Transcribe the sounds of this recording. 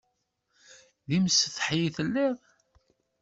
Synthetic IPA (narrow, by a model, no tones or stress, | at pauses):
ðimsθħjiθəlːæð